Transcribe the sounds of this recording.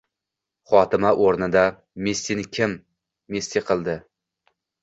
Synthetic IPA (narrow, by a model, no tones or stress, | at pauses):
χɒt̪ɪmaʔoɾnɪd̪a | mest̪inɪkʲʰɪmː | est̪iqʰɨlˠd̪ɪ